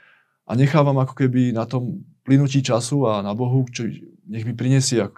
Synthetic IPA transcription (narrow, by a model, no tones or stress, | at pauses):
ʔa̰ɲɛxaːʋamakɔ̥kɛbinat̪ɔmplinuciːt͡ʃasuanabɔɦut͡ʃɔ | ɲɛɣmipɾiɲɛsɪɛak